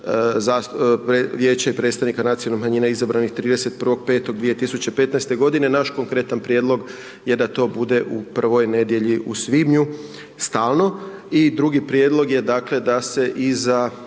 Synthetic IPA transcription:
zaspeʋjeːt͡ɕaipɾet̪st̪aʋnikanat̪sionomaɲiːnaizabɾanixt̪ɾiːd̪e̞set̪̚pr̩ʋo̞ɡ̚pe̞ːt̪o̞ɡd̪ʋije̞t̪isut͡ɕe̞pe̞t̪naest̪e̞ɡo̞d̪ine̞naʃko̞ŋkɾe̞t̪anpɾje̞ːd̪lˠo̞ɡ | je̞d̪at̪o̞ːbud̪e̞ʔupr̩ʋo̞jne̞d̪je̞ʎiʔusʋibɲu | st̪aːlˠno̞id̪ɾuɡipɾje̞d̪lˠo̞ɡje̞d̪aːkle̞d̪ase̞ʔiza

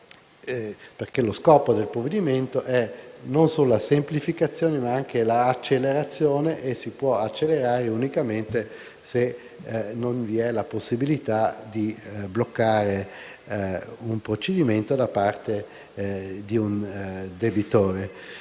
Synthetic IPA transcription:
perkeloskɔːpod̪elpɾovːed̪iment̪oʔɛnonsoːloasemplifikat̪sːjoːnemaaŋk̟elaːt͡ʃːelːeɾat̪sːjoːneʔesipwɔat͡ʃːelːeɾaːɾeunikament̪e | se | nonviɛlaposːibilit̪ad̪iblokːaːɾe | umpɾot͡ʃed̪iment̪od̪apart̪e | d̪iund̪ebit̪oːɾe

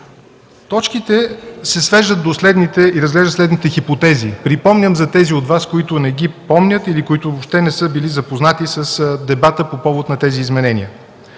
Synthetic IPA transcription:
t̪ɔt͡ʃkit̪ɛsɛsvɛʒd̪ət̪̚d̪oslɛd̪nit̪ɛiɾəzɡlɛʒd̪t̪slɛd̪nit̪ɛxipot̪ɛzipɾipɔmnʲəmzɐt̪ɛziod̪vaskoit̪ʊnɛɡipɔmnʲət̪ilikoit̪ʊvopʃt̪ɛnɛsɤbilizɐpoznat̪isəsd̪ɛbat̪əpopɔvot̪nɐt̪ɛziːzmɛnɛnʲḭə

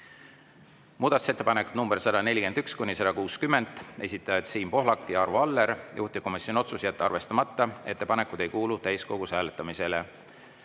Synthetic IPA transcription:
muːd̪̥ɑt̪u̥se̞t̪ːe̞pɑnekut̪numb̥eɾsɑd̪ɑne̞lʲike̞nd̪̥ykskunʲːisɑd̪ɑkuːskymːe̞nd̪̥e̞sʲit̪ːˑɑjɑt̪siːmpo̞ɦlɑkːˑijɑɑrvoɑlːeɾjʔuht̪iko̞misjono̞t̪susjæt̪ːɑrve̞st̪ɑmɑt̪ːɑe̞t̪ːe̞pɑne̞kːˑud̪e̞jkuːlut̪æjsko̞ɡ̥usæːlet̪ːˑɑmise̞le

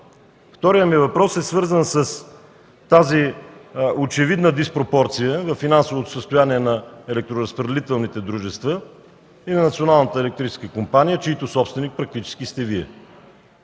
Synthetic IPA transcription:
ft̪ɔɾijəmivɐpɾɔsɛsvɤɾzənsəs | t̪azi | ot͡ʃɛvid̪nəd̪ispɾopɔɾt̪sijəvɐfːinansovot̪o̥səst̪ʊjaniɛnɐɛlɛk̚t̪ɾoɾəspɾəd̪ɛlit̪ɛlˠnit̪ɛd̪ɾuʒɛst̪və | inɐnɐt̪sionalˠnət̪əɛlɛk̚t̪ɾit͡ʃɛ̥skəkompanijət͡ʃiit̪ʊsɔpst̪vɛnik̚pɾɐk̚t̪it͡ʃɛ̥skist̪ɛviɛ

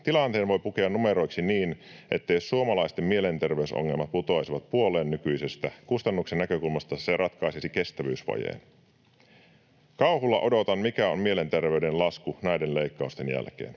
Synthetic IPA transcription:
t̪ilɑnt̪eːnʋo̞jpuke̞ɑnume̞ɾo̞jksiniːnʔe̞̰t̪ːe̞jsuomɑlɑjst̪e̞mmie̞le̞nt̪erʋe̞yso̰ŋːe̞lmɑt̪̚put̪o̞jsiʋɑt̪̚puo̞leːnːykyjsest̪ækust̪ɑnːuksenːækøkulmɑst̪ɑserʔɑt̪kɑjsisike̞st̪æʋyːsʋɑ̰jḛːn | kɑuhulːɑʔo̞do̞t̪ɑnmikæo̰mmie̞le̞nt̪e̞rʋe̞yde̞nlɑskunæjdenle̞jkːɑust̪e̞njæ̰lk̟ḛːn

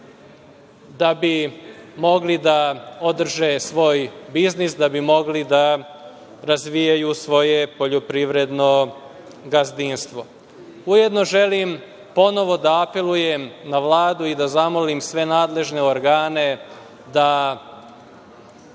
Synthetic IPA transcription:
d̪abimo̞ɡlid̪ao̞d̪r̩ʒesʋo̞ːjbiznisd̪abimo̞ɡlid̪a | ɾazʋijajusʋo̞je̞po̞ʎopɾiʋɾe̞d̪no̞ | ɡazd̪inst̪ʋo̞ | uje̞d̪no̞ʒe̞lim | po̞no̞ʋo̞d̪aːpe̞lˠujemnaʋlˠaːd̪uid̪azamolimsʋe̞naːd̪le̞ʒne̞oɾɡaːne̞ | d̪a

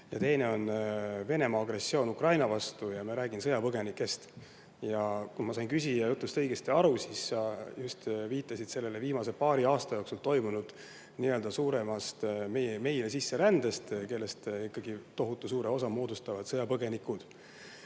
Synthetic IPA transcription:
jɑt̪e̞jne̞o̞nve̞ne̞mɑɑɡresːio̞ːnukrɑjnɑvɑst̪ujɑmiɑɾæːɡinsɤjɑpɤɡe̞nikːˑe̞st̪ | jɑkunmɑs̬ɑjnkysʲijɑjut̪ˑlust̪ɤjɡ̥est̪iɑɾusisːɑjust̪viːt̪ːˑɑsid̪̥se̞lːe̞le̞viːmɑse̞pɑːɾiɑːst̪ɑjo̞ːksult̪o̞jmunud̪̥ | niø̞ld̪̥ɑsuːɾe̞mɑst̪mejeme̞jlesisːe̞ɾænd̪̥est̪ke̞lːe̞st̪ikːˑɑɡ̥it̪o̞ɦut̪ˑːusuːɾe̞o̞sɑmo̞ːd̪ust̪ɑvɑd̪̥sɤjɑpɤɡ̥e̞nikːud̪̥

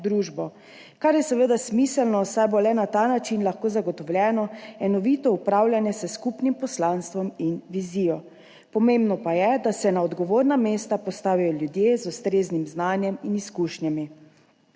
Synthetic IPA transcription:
d̪ɾuːʒbɔ | kaɾjɛsɛʋed̪asmiːsəlnɔsajbolɛnat̪aːnat͡ʃinlaxkoːzaɡɔt̪ɔwljɛːnɔɛnɔʋit̪ɔupɾaːwlʲjanjɛsəskupnimpɔslanst̪ʋɔminʋiziːjɔ | pɔmẽmbnɔpajɛd̪asɛnaɔd̪ɡɔʋoːɾnameːst̪apɔst̪aːʋijɔljud̪jezust̪ɾeːznimznaːnjɛminiskuːʃnjami

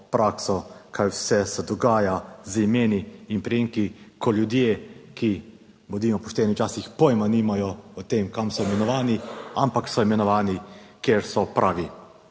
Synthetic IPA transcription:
pɾʔaːksɔkʰajwsɛsɛd̪ɔɡaːjazimeːniːnpɾɛjeːŋkikʰɔljud̪jeːki | bɔd̪iːmɔpɔʃt̪ɛːniwt͡ʃaːsixpɔjmanimajɔɔt̪eːmkamsɔimɛnɔʋaːniampaksɔimɛnɔʋaːnikjeːɾsɔpɾʔaːʋi

